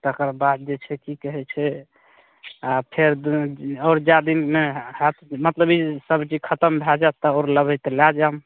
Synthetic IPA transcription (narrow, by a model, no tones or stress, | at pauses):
t̪əkəɾbad̪̚d͡ʒet͡ʃʰɛkikəɦɛt͡ʃʰɛ | apʰeɾd̪ɔɾd͡ʒad̪imehɛt̪mət̪ləbisəbt͡ʃid͡ʒkʰət̪əmbʱɛd͡ʒat̪ːəoɾləbəjt̪lad͡ʒam